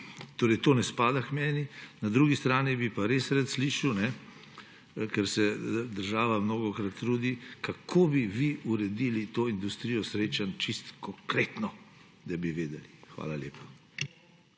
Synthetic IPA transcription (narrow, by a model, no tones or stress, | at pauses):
t̪oːɾɛjt̪oːnɛspaːd̪akmɛːninad̪ɾuːɡist̪ɾaːnibipaɾesɾɛt̪sliːʃiwnɛ | kɛɾsɛd̪əɾʒaːʋamnoːɡɔkɾat̪ːɾuːd̪ikakʰoːbiʋiuɾɛd̪ilit̪oːind̪ust̪ɾijɔsɾeːt͡ʃant͡ʃist̪kɔŋkɾeːt̪nɔ | d̪abiʋeːd̪ɛlixʋa̰ːlaljḛːpḁ